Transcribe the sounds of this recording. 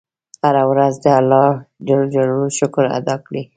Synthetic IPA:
haɾawɾazd̪əalːɑd͡ʒald͡ʒaluʃʊkɾa̰d̪ɑkɽi

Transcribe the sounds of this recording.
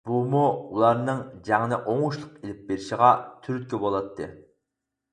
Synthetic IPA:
bumuulˠɑɾnɨŋd͡ʒæŋnɛʔoŋuʃlˠʊqelɪp̚beɾiʃiʁɑt̪ʰyɾyd̪̚kʲɛbolˠɑt̪ʰːɨ̰

